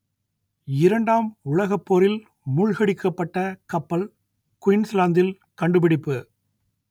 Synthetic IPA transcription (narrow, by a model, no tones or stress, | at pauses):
ɪɾɐɳɖaːmʊɻɐɣɐpːoːɾɪl | mʊɻɣɐɽɪkːɐpːɐʈːɐkɐpːɐl | kʊjɪnslaːnd̪ɪl | kɐɳɖɯpɪɽɪpːɯ